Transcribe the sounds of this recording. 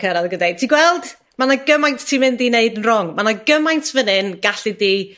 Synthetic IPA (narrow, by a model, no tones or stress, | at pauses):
kʰəɾaðɡədajtʰiɡwɛlˠd̥ | manaɡəmajnttʰimɪndineɨdənrʊŋmanaɡəmajntʰvənɨnɡ̥aɬidiː